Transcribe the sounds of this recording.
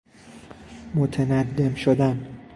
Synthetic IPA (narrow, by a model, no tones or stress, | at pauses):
mot̪ʰenæd̪ːemʃod̪æn